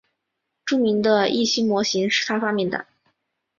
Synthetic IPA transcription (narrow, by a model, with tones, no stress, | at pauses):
ʈ͡ʂu˥˧mi˧˥ŋd̪ə˧i˥˩ɕi˥ŋmwɔ˧˥ɕi˧˥ŋʂɻ̩˥˩t̪ʰa˥fɑ˥mjɛ˥˩nd̪ə̰˩